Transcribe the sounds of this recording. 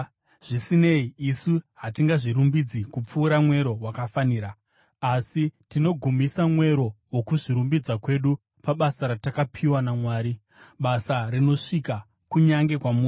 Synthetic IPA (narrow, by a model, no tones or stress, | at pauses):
ʐ̥isine̞iːsuɦatiŋɡaʐiɾumbid͡zikup͡fuːɾamwe̞ɾo̞wakafaniːɾa | asitino̞ɡʱumisamwe̞ɾo̞wo̞kuʐiɾumbid͡zakwe̞ɗu | paɓasaɾatakapʰiwanamwaːɾi | ɓasarino̞ʂika | kuɲaŋɡe̞kwamu